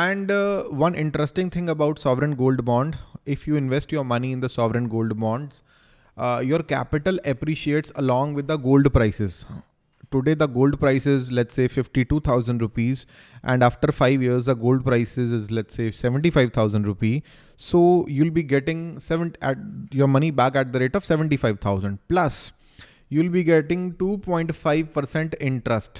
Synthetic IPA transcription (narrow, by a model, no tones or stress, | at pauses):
ɛ̃ɳɖʋʌ̃nʔɪ̃ɳʈɾəsʈɪ̃ŋt̪ʰɪ̃ŋɡəbaʊʈsɔːʋɾə̃nɡoːlɖbɔ̃ːɳɖɪfjuːɪ̃nʋɛsʈjoːɾmʌniɪ̃nd̪əsɔːʋɾə̃nɡoːlɖbɔ̃ːɳɖz | joːɾkæ̰pɪʈələpɾiːʃieːʈsəlɔ̃ːŋɡʋɪd̪ːəɡoːlɖpɾaɪsɪz | ʈʊɖeːd̪əɡoːlɖpɾaɪsɪzlɛʈseːfɪfʈiʈuːt̪ʰaʊzə̃ɳɖɾʊpiːz | ʔɛ̃ɳɖaːfʈəɾfaɪʋjiəɾzd̪əɡoːlɖ̚pɾaɪsɪzɪzlɛʈseːsɛʋə̃ɳʈifaɪʋt̪ʰaʊzə̃ɳɖɾʊpiː | soːjuːlbiːɡɛʈɪ̃ŋsɛʋə̃ɳʈɛʈ̚jɔːɾmʌnibæːkæʈ̚d̪əɾeːʈɔʋsɛʋə̃ɳʈifaɪʋt̪ʰaʊzə̃ɳɖ̚plɐs | juːlbiɡɛʈɪ̃ŋɡʈuːpɔ̃ːɪ̃ɳʈfaɪʋpəɾsɛ̃ɳʈɪ̃ɳʈɾəsʈ